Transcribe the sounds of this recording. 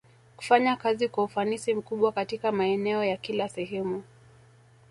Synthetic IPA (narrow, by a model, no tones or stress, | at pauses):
ku̥faɲakazikwaufanisim̩kuɓwakatikamaɛnɛɔjakilasɛɦɛmu